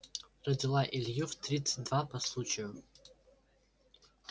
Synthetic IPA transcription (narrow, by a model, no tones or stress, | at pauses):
radʲilaʔiljɪvtʰrʲit͡sʰɨdvapʰaslut͡ʃʰejo